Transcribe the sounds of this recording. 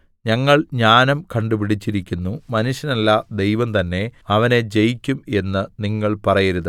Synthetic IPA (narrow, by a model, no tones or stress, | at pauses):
ɲɐŋːɐɭɲaːnɐmkɐɳɖupiɽit͡ɕːiɾikʲːunːumɐnuʂjɐnɐlːɐd̪e̞jʋɐmt̪ɐnːe̞ɐʋɐne̞d͡ʑe̞jikʲːume̞nːɨniŋːɐɭpɐrɐjɐɾuðɨ